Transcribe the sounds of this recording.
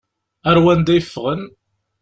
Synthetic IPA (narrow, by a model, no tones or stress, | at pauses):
æɾwænd̪æjəfːʁən